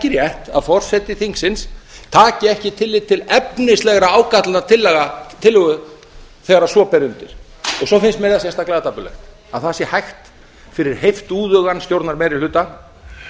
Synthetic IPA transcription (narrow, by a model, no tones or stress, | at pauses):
ɛcɪɾjɛht̪a̰ðfɔr̥sɛt̪ɪθiŋksɪnst̪ʰaːcɪɛhcɪt̪ʰɪlːɪt̪ʰɪlɛpnɪst̪lɛɣɾaaːwkat̪lnat̪ʰɪlːɛɣat̪ʰɪlːʏɣʏ | θɛɣaɾḁsɔpɛɾʏnt̪ɪɾ̥ | ɔɣsɔfɪnst̪mɛɾθas̬jɛst̪aklaːðt̪apʏlɛ̰xt̪ | aðθasjɛhajxt̪ | fɪɾɪɾ̥hejft̪uːðœɣanst̪jowɾt̪naɾmɛːɾɪlʏːt̪a